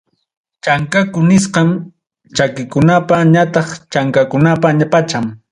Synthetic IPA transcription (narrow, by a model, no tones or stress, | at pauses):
t͡ʃaŋkakʊnɪsqɑm | t͡ʃakɪkʊnapaɲat̪ɑχt͡ʃaŋkakʊnapaɲapat͡ʃam